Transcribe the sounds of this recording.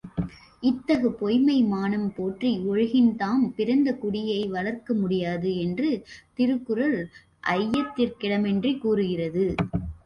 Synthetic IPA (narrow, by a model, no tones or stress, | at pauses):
ɪt̪ːɐɣɐpɔjmɐɪmaːnɐmpoːʈriʊɻɐɣɪnt̪aːmpɪɾɐnd̪ɐkʊɽɪjɐɪʋɐɭɐɾkɐmʊɽɪjaːðɯɛndrɯt̪ɪɾɯkːɯɾɐl | ʔɐjːɐt̪ːɪrkɪɽɐmɛndrikːuːɾɯɣɪrɐðɯ